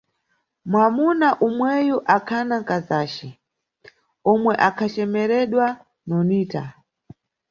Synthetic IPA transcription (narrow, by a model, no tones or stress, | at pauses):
mwamunaʔumwɛjɔʔakʰanaŋkazaːt͡ʃɛ | ɔmwɛʔakʰat͡ʃɛmɛɾɛɗwa | nɔniːta